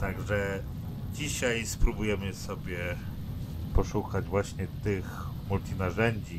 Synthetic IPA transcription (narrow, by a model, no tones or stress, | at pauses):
t̪aɡʐɛ | d͡ʑiɕajspɾubujɛmɘsɔbʲjɛ | pɔʂukad͡ʑvwaɕɲɛt̪ɘx | mult̪ʲinaʐɛɲd͡ʑi